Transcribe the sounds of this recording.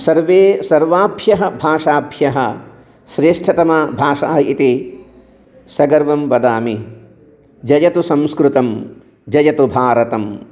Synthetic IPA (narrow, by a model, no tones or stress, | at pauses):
sɐɾʋeːsɐɾʋaːbʱjɐɦɐ̆bʱaːʂaːbʱjɐɦɐ̰̆ | ʃɾeːʂʈʰɐt̪ɐmɐbʱaːʂa̰ːɦɐit̪i | sɐɡɐɾʋɐmʋɐd̪aːmi | d͡ʒɐjɐt̪usɐ̃mskɾut̪ɐm | d͡ʒɐjɐt̪ubʱaːɾɐt̪ɐm